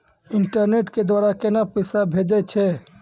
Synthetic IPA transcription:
iɳʈəɾneʈked̪waɾakenapəsabʱed͡ʒɛt͡ʃʰɛ

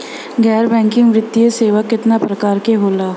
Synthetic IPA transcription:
ɡɛːɾbɛ̃ːŋkɪ̃ŋɡʋɾɪd̪ieseːʋakːɪt̪napɾəkaːɾkeɦoːlaː

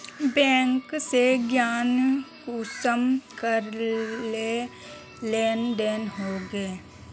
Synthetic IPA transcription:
bɛ̃ːŋkseɡjaːnkusəmkəɾle | leːnɖeːnɦoɡeː

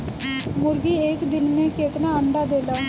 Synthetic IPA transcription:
mʊɾɡiːeːkd̪ɪnmẽkeːt̪naːəɳɖaːd̪eːlaː

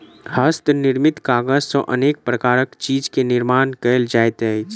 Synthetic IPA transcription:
həst̪nɪɾmit̪kaɡəd͡ʒsə̃ʔənek̚pɾəkaːɾəkt͡ʃid͡ʒkenɪɾmankəjld͡ʒajt̪əjt͡ʃʰ

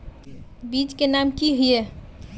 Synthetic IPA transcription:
bit͡ʃkenamkiɦuje

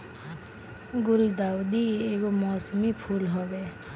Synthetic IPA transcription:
ɡuɾid̪aud̪iekomɔsmipʰulɦɔbe

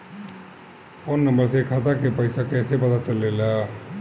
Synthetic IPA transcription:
onːəmbəɾsekʰat̪akepəɪsakɛːsepət̪at͡ʃəlːeːla

